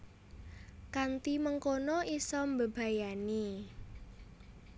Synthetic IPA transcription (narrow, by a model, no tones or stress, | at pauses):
kant̪iməŋkonɔisɔmbəb̥a̤jani